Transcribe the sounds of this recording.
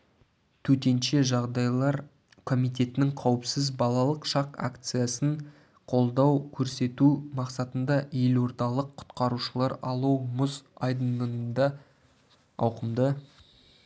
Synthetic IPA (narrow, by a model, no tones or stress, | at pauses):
t̪ʰɵt̪e̞nʃe̞ʒɑʁd̪ɑjlˠɑɾ | kʰo̞mijt̪e̞t̪ɪnɪŋqʰɑwəpsɪzbɑlˠɑlˠəqʃɑqa̰kt̪sɨjasəɴ | qʰo̞lˠd̪ɑwkʲʰɵɾse̞t̪umɑqsɑt̪ənd̪ɑje̞lo̞ɾd̪ɑlˠəqʰːʊ̥t̪qɑɾuʃəlˠɑɾɑlˠuwmʊzɑjd̪ənənənd̪ɑ | ɑwqəmd̪ə